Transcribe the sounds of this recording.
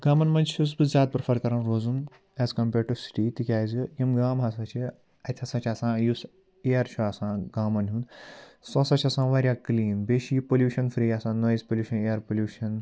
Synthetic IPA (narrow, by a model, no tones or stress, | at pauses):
ɡ̥aːmɐnmɐnt͡ʃʰus̬bɨzaːt̪̚pɾfʰɐɾkɐɾɐnɾoːzum | ɛzkɐmpeːɾʈusʈiːt̪ikʲaːjzɨjimɡaːmɦɐsat͡ʃʰi | ɐt̪ʲʰɐsãt͡ʃʰʲaːsãːjus | eɐɾt͡ʃʰuaːsãːɡaːmɐnɦũnsɔsɐt͡ʃʰɐsãːʋaːɾʲjaːkliːnbeːʃipolʲjuːʃɐnfɾiːasãːnɐizpoljuːʃɐneɐɾpoljuːʃɐn